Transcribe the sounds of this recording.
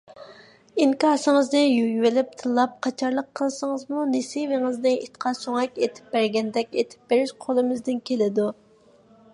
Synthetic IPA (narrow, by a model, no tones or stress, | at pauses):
iŋkɑːsɨŋəznɪjyjwɪlɪp̚t̪ʰɨlˠːɑp̚qʰɑt͡ʃʰɑɾlˠəqʰːəlˠsɨŋəzmunesivɪŋɨznɨit̪qʰɑsøŋɛkʲet̪ʰɪ̥p̚bæɾɡʲɛnd̪ɛkʲet̪ʰɪ̥p̚bɪɾɪʃqʰolˠɨmɪzd̪ɪnkʲʰelɪd̪u